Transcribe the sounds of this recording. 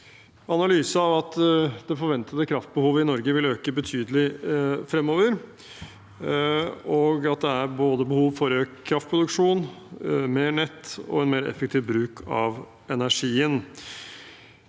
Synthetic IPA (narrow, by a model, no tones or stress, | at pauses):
ɑnɑlyːsəɑʋɑt̪d̪̥ɛfɔɾʋɛnt̪ʰət̪əkʰɾɑft̪̚bəhuːʋəɪnɔɾɡəʋɪløːkəbət̪ʰyːd̪əlɪfɾɛmːoːʋəɾ | ɔɡɑt̪̚d̪ɛæɾboːd̪əbəhuːʋfɔɾøːkʰːɾɑft̪̚pʰɾʊd̪ʉkʂuːnmeːɳɛt̪ːɔ̰ɛnmeːɾɛ̰fɛk̚t̪ʰɪːʋbɾʉːkʰɑ̰ʋ | ɛnæʂiːən